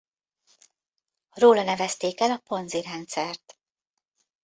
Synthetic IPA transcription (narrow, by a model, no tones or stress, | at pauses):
roːlɒnɛvɛst̪eːkɛlɒpo̞nziɾɛnt̪sɛrt̪